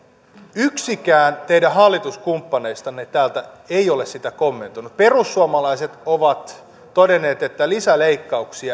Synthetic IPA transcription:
yksikæːnt̪eidæɦɑlːit̪uskumpːɑneist̪ɑnːet̪æːlt̪æ | eiolessit̪ækomːent̪unupperusːuɑmɑlɑiset̪oʋɑt̪ | todenːˑeːt̪et̪ːælisæleikːɑuksiɑ

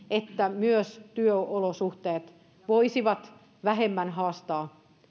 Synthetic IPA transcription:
et̪ːæmyøst̪yøolosuht̪eːt̪ | ʋoisiʋɑt̪ | ʋæɦemːænɦɑːst̪ɑː

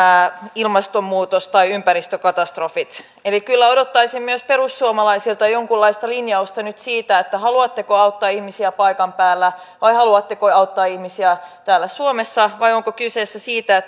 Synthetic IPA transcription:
ilmɑst̪omːuːt̪ost̪ɑiympæɾist̪økɑt̪ɑst̪rofit̪ | elikylːæo̞dot̪ːɑisimmyøspe̞rusːuomɑlɑisilt̪ɑjoŋkulːɑist̪ɑlinjɑust̪ɑnyt̪siːt̪æet̪ːæhɑluɑt̪ːekoɑut̪ːɑːihmisiæpɑikɑmpæːlːæ | ʋɑihɑluɑt̪ːekoɑut̪ːɑːihmisiæt̪æːlːæsuomesːɑʋɑjoŋkokysesːæsiːt̪æet̪ː

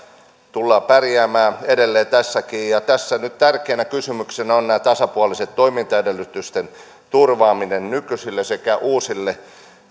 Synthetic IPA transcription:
t̪ulːɑːpærjæːmæːedelːeːt̪æsːækiːjɑt̪æsːænyt̪t̪ærkeːnækysymyksenæonnæːt̪ɑsɑpuɑliset̪t̪oimint̪ɑedelːyt̪yst̪en | t̪urʋɑːminennykysilːesekæʔuːsilːe

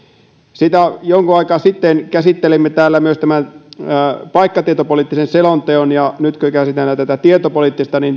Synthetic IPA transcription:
sit̪æjoŋkuɑikɑːsit̪ːenkæsit̪ːelimːet̪æːlːæmyøst̪æmænː | pɑikːɑt̪iet̪opoliːˑt̪ːisenselont̪eonjɑnyt̪køkæsit̪elːæt̪æt̪æt̪iet̪opoliːˑt̪ːist̪ɑnin

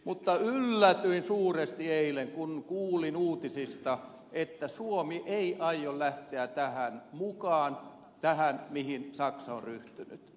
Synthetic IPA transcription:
mut̪ːɑylːæt̪yinsuːrest̪ieileŋkunkuːlinuːt̪isist̪ɑ | et̪ːæsuomiʔeiʔɑijollæht̪eæt̪æhænmukɑːn | t̪æhænmihinsɑksɑo̰ryht̪yny̰t̪

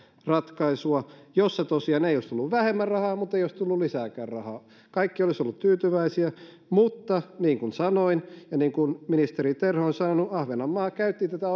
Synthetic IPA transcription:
rɑt̪kɑisuɑjosːet̪osiɑːneijoˑist̪ulːuʋʋæhemːærrɑhɑːmut̪ːeijoˑist̪ulːullisæːkæːrrɑhɑ̰ː | kɑikːiolisolːut̪t̪yːt̪yʋæisiæ | mut̪ːɑniːŋkunsɑnoinjɑniːŋkunminist̪erit̪erhoonsɑnonuʔɑhʋenɑmːɑːkæyt̪ːiːnt̪æt̪æ

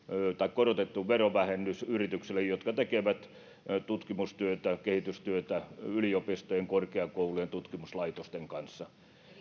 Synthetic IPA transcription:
t̪ɑikkorot̪et̪ːuʋʋeroʋæhenːysyrit̪ykselːejot̪kɑt̪ekeʋæt̪ | t̪ut̪kimust̪yøt̪ækehit̪yst̪yøt̪æyliopist̪ojeŋkorkeɑkoulujent̪ut̪kimuslɑit̪ost̪eŋkɑnsːɑ

